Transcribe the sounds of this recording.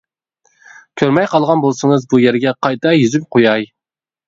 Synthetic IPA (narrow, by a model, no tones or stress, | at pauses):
kʲʰøɾmɛjqʰɑlˠʁɑnbolˠsɨŋɨzbujæɾɡʲɛqʰɑjt̪ʰɑjyzyp̚qʰojɑj